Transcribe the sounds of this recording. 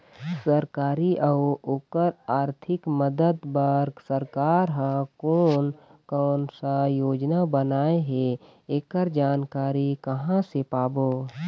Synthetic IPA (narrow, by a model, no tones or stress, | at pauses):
səɾkaːɾiʔəoːkəɾaːɾt̪ʰɪkməd̪əd̪bəɾɡsəɾkaːɾɦãkoːnkɔːnsajoːd͡ʒnabənaːeɦe | eːkəɾd͡ʒaːnkaːɾikəɦãsepaːboː